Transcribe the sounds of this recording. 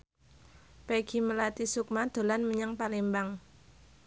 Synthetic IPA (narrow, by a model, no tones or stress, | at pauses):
peɡ̥i̤məlat̪isuk̚mad̪̥o̤lanməɲaŋpalembaŋ